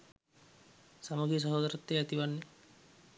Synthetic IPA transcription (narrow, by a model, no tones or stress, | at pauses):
saməɡes̬aɦoːd̪aɾat̪ːeæt̪iʋanːe